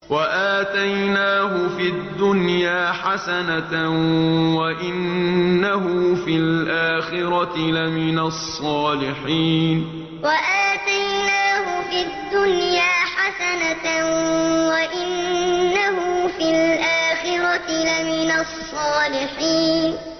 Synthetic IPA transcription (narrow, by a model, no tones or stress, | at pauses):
waʔaːt̪ajnaːɦʊfid̪ːʊnjaːħasana | waʔɪnːaɦʊfilʔaːxɪɾɑt̪ɪlamɪnasˤːɑːlɪħiːn | waʔaːt̪ajnaːɦʊfid̪ːʊnjaːħasana | waʔɪnːahʊfilʔaːxɪɾɑtɪlamɪnasˤːɑːlɪħiːn